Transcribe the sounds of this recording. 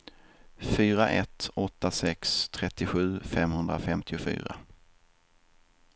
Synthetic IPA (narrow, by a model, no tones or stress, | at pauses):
fyːɾaʔɛt̪ɔt̪ːasɛkst̪ʰɾɛt̪ːɪɧʉ̟ːfɛmhɵnd̪ɾafɛmt̪ʰɪʊfy̰ːɾa̰